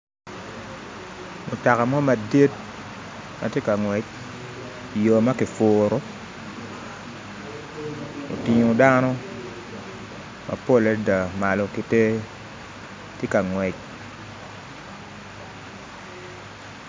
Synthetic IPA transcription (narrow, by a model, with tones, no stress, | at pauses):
mʊ˨ta˨ka˨mɔ˦ma˨di˦t̚ | ma̰˨tje˦ka˨ŋwɛ˨t͡ʃ̚ | i˨jo˨ma˦kɪ˨foː˨ɾo˦ | o̰˨tɪ˨ɲo˨da˦nɔ˦ | mʔa̰˨po˦˨lɛ˦da˨ma˨lɔ˨ki˦te˦ | tje˦ka˨ŋwɛ˨c̚